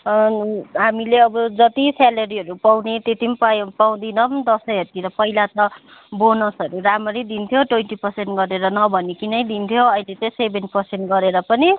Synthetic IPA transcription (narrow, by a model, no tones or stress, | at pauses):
ɦamileʌbʌd͡zʌt̪isalʌɾiɦʌɾupawnet̪et̪imppaw̃d̪inʌbd̪ʌsʌjɦʌt̪iɾʌpʌilat̪ʌbonʌsʌɾuɾamʌɾid̪int̪ʰjoʈwenʈipʌrsenʈɡʌɾeɾʌnʌbʱʌnikinʌjd̪int̪ʰjoʌjlet͡sʌj̃sebʱenpʌrsenʈɡʌɾeɾʌpʌni